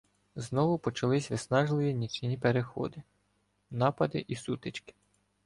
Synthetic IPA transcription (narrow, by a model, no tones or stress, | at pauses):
znɔʋʊpɔt͡ʃɐlˠɪsʲʋɪsnɑʒlˠɪʋʲinʲit͡ʃnʲipeɾexɔ̰d̪ɪ | nɑpɐd̪ɪʔisut̪ɪt͡ʃkɪ̥